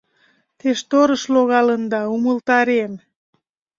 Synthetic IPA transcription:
t̪eʃt̪oɾəʃloɣɑlənd̪ɑuməlt̪ɑɾem

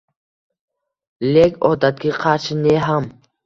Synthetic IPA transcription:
leɡɔd̪at̪̚ɡiqʰat͡ʃʰneɦam

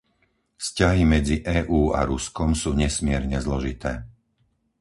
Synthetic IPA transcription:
fscaɦimɛd͡ziʔɛːʔuːa̰ɾuskɔmsuːɲɛsmɪɛɾɲɛzlɔʒit̪ɛː

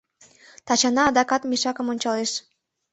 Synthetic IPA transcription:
t̪ɑt͡ɕɑnɑːd̪ɑkɑt̪miʃɑkəmonʲt͡ɕɑleʃ

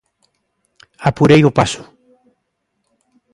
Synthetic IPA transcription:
apuɾejopasʊ̥

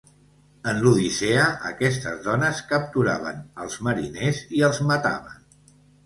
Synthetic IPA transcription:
ənluðiseəʔə̰kɛst̪əzðɔnəskəp̚t̪uɾa̰β̞ə̰nəlˠzməɾineziəlˠzmət̪a̰βə̰n

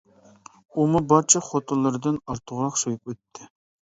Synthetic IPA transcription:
umubɑɾt͡ʃʰɑχot̪ʰʊlˠːɨɾɨd̪ɨnɑɾt̪ʰʊʁɾɑqsojukwɛt̪ʰːɪ

